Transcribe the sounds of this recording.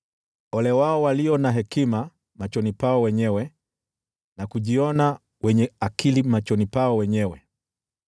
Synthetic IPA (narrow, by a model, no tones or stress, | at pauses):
ɔlɛwaɔwaliɔnaɦɛkima | mat͡ʃɔnipaɔwɛɲɛwɛ | nakuʄiɔna | wɛɲɛakʰilimat͡ʃɔnipaɔwɛɲɛwɛ